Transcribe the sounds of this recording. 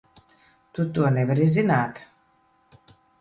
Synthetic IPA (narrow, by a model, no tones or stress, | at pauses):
t̪ut̪uɔnɛvaɾizinaːt̪